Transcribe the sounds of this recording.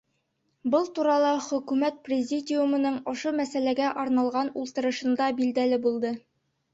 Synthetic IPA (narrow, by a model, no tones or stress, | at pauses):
bɤlˠt̪uɾɑlˠɑχɵ̆kʉmæt̪̚prʲɪzʲidʲɪjumɤ̆nɤɴɒʃumæsælæɡæʔɒɾnɑlˠʁɑnulˠt̪ɤ̆ɾɤ̆ʃɤ̆nd̪ɑbild̪ælɘbulˠd̪ɤ